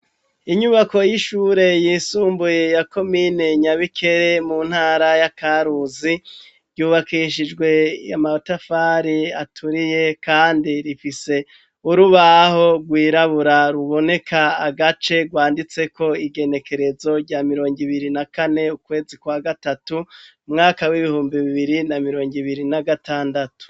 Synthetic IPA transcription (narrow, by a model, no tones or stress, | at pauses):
iɲuβako̞jiʃuːɾe̞jiːsuːmbuje̞jako̞mine̞ɲaβikʰe̞ɾe̞muːn̥haːɾajakaɾuzi | ɾɟuːβakiʃid͡ʒɡwe̞amaotafaːɾiatʰuɾije̞kaːndiɾifise̞ | uɾuβaho̞ɡwiːɾaβuɾaɾuβo̞ne̞kʰaːɡat͡ʃe̞ɡwaːndit͡se̞kʰo̞iɡe̞ne̞ke̞ɾe̞zo̞ɾɟamiɾo̞ːŋɡiβiɾinakane̞ukwe̞ːzikwaɡatatu | mŋaːkawiβihuːmbiβiβiɾinamiɾo̞ːŋɡiβiɾinaɡataːndatu̥